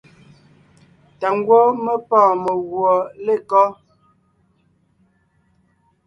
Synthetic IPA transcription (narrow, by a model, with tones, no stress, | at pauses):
ta˨ŋ˦ɡwɔ˦mə˦pɔː˦˨mə˨ɣwɔ˨le˦˨kɔ˦